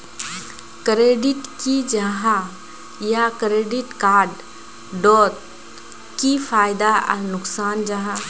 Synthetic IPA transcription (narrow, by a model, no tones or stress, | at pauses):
kɾeːɖɪʈkid͡ʒɐɦã | jakɾeːɖɪʈkaːɾɖ | ɖɔːt̪̚ | kifʰaːɪd̪aɐ̰nʊksaːnd͡ʒɐɦã